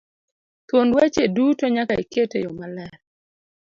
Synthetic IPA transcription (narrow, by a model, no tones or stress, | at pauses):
t̪wondwat͡ʃedutɔɲakaiketejɔmalɛɾ